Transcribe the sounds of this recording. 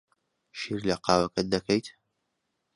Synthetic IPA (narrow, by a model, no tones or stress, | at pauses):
ʃiɾlɐqɑːwɐkɐt̪̚d̪ɐkʰɐjt̪